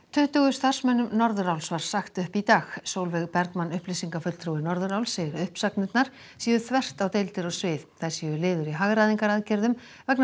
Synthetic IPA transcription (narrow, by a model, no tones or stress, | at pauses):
t̪ʰʏht̪ʏɣʏst̪ar̥smɛnːʏmnɔɾðʏɾawlsvaɾ̥saxt̪ʏhpit̪aːxsoːwlvɛɣpɛɾkmanːʏhplɪsiŋkafʏt̪t̪ʰɾuwɪnɔɾðʏɾawlsejɪɾʏhpsaknɪt̪naɾ̥ | siːjʏθvɛr̥t̪awt̪ejlt̪ɪɾɔɣsvɪːðθḁsijʏlɪːðʏɾiɦaɣɾaːðiŋkaɾaðcɛɾðʏm | vɛkn